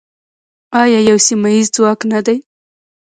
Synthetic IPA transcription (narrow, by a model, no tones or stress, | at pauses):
ɑjɑjawsimajizd͡zwɑknad̪aj